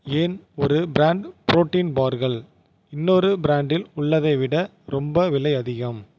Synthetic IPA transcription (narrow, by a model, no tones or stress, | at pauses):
eːnɔɾɯbɪɾaːɳɖpɾoːʈːiːnbaːɾɣɐɭ | ɪnːoɾɯbɪɾaːɳɖɪlʊɭːɐðɐɪʋɪɽɐ | ɾɔmbɐʋɪlɐɪɐðɪɣɐm